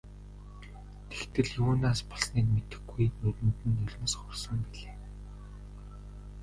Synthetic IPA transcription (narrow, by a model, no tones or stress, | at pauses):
t̪ʰe̥xt̪ɘ̆ɮjuːnaːspɔɮsniːkmet̪ɘ̆xɡɡujnɵɾʲɘ̆mt̪ɘ̆nːɵɮʲmə̆sχʊrsə̆mpiɮeː